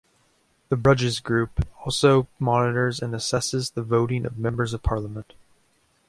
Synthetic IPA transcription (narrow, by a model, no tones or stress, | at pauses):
ðɨbɹʌd͡ʒɨzɡɹʉpɔlˠsoʊmɑnɨɾə˞zɨ̃nɨsɛsɨzðəvoʊɾɪ̃ŋʔʌ̰vmɛ̃mbə˞zʌv̥pʰɑɹləmə̃nt̚